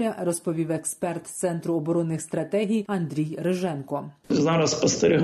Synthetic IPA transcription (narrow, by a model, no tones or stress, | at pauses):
ɾʲɐrɔspɔʋʲiʋekspɛrt̪t̪sɛnt̪ɾʊɔbɔɾɔnːɪxst̪ɾɐt̪ɛɦʲijɐnd̪ɾʲijɾeʒɛnkɔɪzɑːɾɐspɐst̪ɐɾʲɪɦ